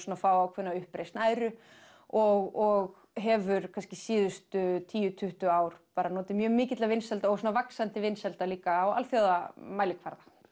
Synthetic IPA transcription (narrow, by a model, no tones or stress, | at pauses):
sɔnafaːwawkʰvʏnːaʏhpɾejst̪naːjɾʏ | ɔɣɔɣ | ɦɛvʏɾ̥kʰanscɪsiːðʏst̪ʏt̪ʰiːjʏt̪ʰʏht̪ʏaːwɾ̥paːɾanɔːt̪ɪmjœːmɪːcɪt̪lavɪnsɛlt̪aɔɣsɔːnavaksant̪ɪvɪnsɛlt̪aliːkaːwa̰lθjaðamaːjlɪkʰv̥aɾða